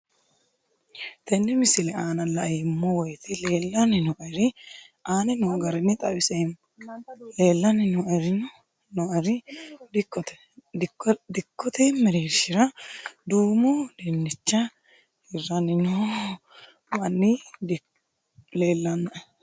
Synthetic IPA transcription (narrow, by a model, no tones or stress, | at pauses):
t̪ɛnːɪmɪsɪlɛaːnɐlɐjɪmːɔwɔjt̪ɪleːlːɐnɪnɔʔɐɾɪ | ʔaːnɛnɔɡɐɾɛnːɪt̪ʼɐwɪsɛm | le̞ːlːɐnɪnɔɐɾɪn | nɔɐɾɪd̪ɪkːɔt̪ɛ̥ | d̪ɪkʰːɔt̪ɛmːɛɾeɾʃɪɾɐd̪uːmud̪ɛnːɪt͡ʃːɐ | hɪrːɐnɪnɔ | mɐnːɪ | leːlːɐnːɐ